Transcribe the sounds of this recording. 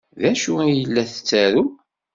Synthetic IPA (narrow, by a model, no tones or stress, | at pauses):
ðæʃuæjəlːæθət͡sːæɾu